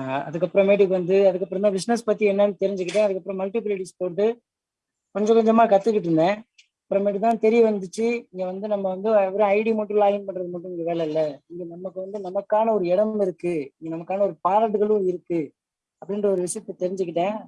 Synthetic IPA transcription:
ɐ̰ðɯkːɐpːɯɾɔ̃meːɽɯkːɯʋɐnd̪ɯɐðɯkːɐpːɾɐ̃nt̪ãːbɪsnɐspɐt̪ːiɛnːaːlt̪ɛɾɪɲd͡ʒɯkːɪʈ̬ːẽːɐðɯkːɐpːɯɾɐ̃mɐlʈɪpɐlɪʈispoːɾʈ̪ːɯ | kɔɲd͡ʒɐkɔɲd͡ʒɐmaːkɐt̪ːɯkːɪʈ̬ːɾɯnd̪ẽː | ɐpːɯɾɐ̃meːʈɯt̪̬ãːt̪ɛɾɪjɐʋɐnd̪ɯt͡ʃːɯɪŋɡeʋɐnd̪ɯnɐmːɐʋɐnd̪ɯɛʋɐɾɐ̃ɐɪʈimoʈːɯlaːlɐnpɐɳɖɾɐðɯmɐʈːɯ̃ɪŋɡeʋeːɭɛɪlːɐɪŋɡenɐmːɐkːɯʋɐnd̪ɯnɐmɐkːaːnɐɔɾɯɛɽɐmɪɾɯkːɯɪŋɡenɐmɐkːaːnɐɔɾɯpaːɾɐʈɯɣɐɭɯ̃ɪɾɯkːɯ | ɐpːɐɽɪnɖrɾɐɔɾɯʋɪʂɐjɐt̪ːɐt̪ɛɾɪɲd͡ʒɯk̬ːɪʈːẽː

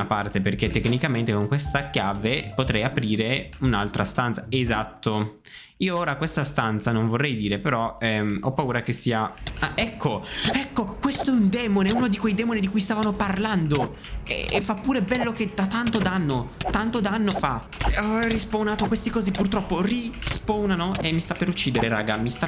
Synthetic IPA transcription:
apart̪eperket̪ːekːnikament̪ekoŋkwest̪akjaːvepot̪ɾɛjapɾiːɾeunalt̪ɾast̪ant̪saezat̪ːo | iːooːɾakwest̪ast̪ant̪sanoɱvorːɛjd̪iːɾepeɾɔɛɔpːauːɾak̟esːiːaaʔɛkʰːoɛkːokwest̪oɛund̪ɛːmoneɛunod̪ikwejd̪ɛːmonid̪ikujst̪aːvanoparland̪o | ḛːfːapːuːɾebɛlːoked̪at̪ant̪od̪anːot̪ːant̪od̪aanːofa | rispownaːt̪okwest̪ikɔːzipurt̪ɾɔpːorispownanoemːist̪apːeɾut͡ʃːiːd̪eɾeɾa̰ːɡamist̪a

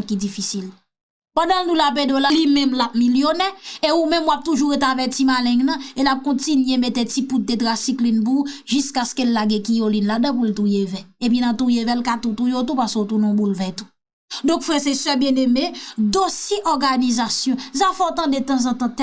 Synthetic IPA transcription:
kid͡zifisil | pɑ̃dãlnũlapedolalimɛ̃mlap̚miljoneeumɛ̃mwap̚t̪uʒuɣet̪avɛtimalɛ̃ŋnɐ̃elap̚kɔ̃tinɥemet̪etiput̪̚det̪ʁasiklinp̬uʒyskaskelːaɡɛ̃kijolinladɐ̃pult̪ujevɛep̬inãt̪ujevɛlkat̪ut̪ujot̬upasot̪unɔ̃bulvɛt̪u̥ | d̪ɔ̃kfɛsesœbjɛ̃nemed̪osjeʔɔɡanizasjɔ̃zafɔt̪ɐ̃det̪ɐ̃zɑ̃t̪ɑ̃t̪ɛ

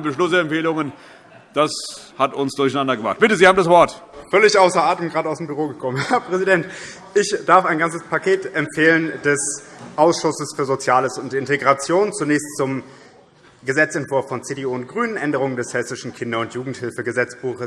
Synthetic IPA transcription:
bəʃlʊsəɛmpfeːlʊŋən | d̥ashatʊnsd̥ʊɐçaɪnandɐɡəmʁa̰χt̚b̥ɪtəzihaːbmdasv̥ɔɐtfœlɪçʔaʊsɐaːtəmɡʁaːdtaʊsdembyʁoːɡəkʰɔmənhɛɐpʁ̥ɛzidɛnt | ʔɪçd̥aɐfaɪnɡant͡səspʰakʰeːtɛmfeːləndɛsʔaʊsʃʊsəsfyːɐzot͡sjaːləsʊntɪnteɡʁat͡sjoːnt͡sunɛːçstt͡sʊm | ɡəzɛt͡sɛntv̥ʊɐfɔnt͡seːdeuːʊnt̚ɡ̥ʁyːnənʔɛndəʁ̞ʊŋəndɛshɛsɪʃn̩kʰɪndɐʊntjuːɡŋ̩thɪlfəɡəzɛt͡sb̥uːχə

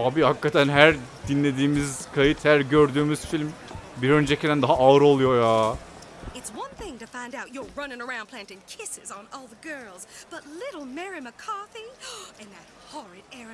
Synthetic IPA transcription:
aːbihakːat̪ʰænɦæɾd̪inlʲe̞d̪iːmizkʰajit̪hæɾɟøɾd̪yːmyz̥filʲmbiɾø̞nd͡ʒecʰid̪ænd̪aɦaʔaɾo̞lˠujo̞jaː | ɨtswʌ̃nθɪ̃ŋtɨfãɪ̃ndaʊt͡ʃə˞ɹʌ̃nɪ̃ŋə˞ãʊ̃npʰl̥æ̃ntɨ̃nkʰɪsɪzn̩ɔlˠðəɡɜ˞lˠzb̥ʌtˡlɪɾl̩ˠmɛɹiməkʰɑɹθiɨ̃nðɨt̚hɔɹɨɾɛɹɨ̃

